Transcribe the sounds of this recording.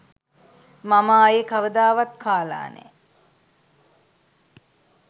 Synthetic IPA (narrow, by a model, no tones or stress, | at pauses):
maməːjekaʋəd̪aːʋat̪̚kʰaːla̰ːnḛ